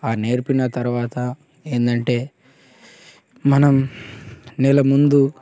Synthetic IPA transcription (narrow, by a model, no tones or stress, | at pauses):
aːne̞ːɾpinɐt̪ɐɾuʋaːt̪ɐ | e̞ːnd̪ɐɳʈe̞ː | mɐnɐm | nɛlɐmund̪u